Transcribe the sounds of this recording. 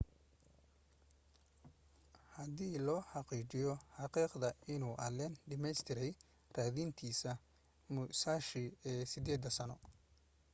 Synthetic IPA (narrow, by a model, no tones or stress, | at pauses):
hɐðiːlɔːħɑqiːt͡ʃɪjɔħɑqiːqd̪ɐɪnuːʔɐlɛnɖɪmɛjst̪ʰɪɾɛj | raːðiːnt̪ʰiːsɐ | mʊsaːʃɪɛːsɪd̪ɛːd̪ɐsɐnɔ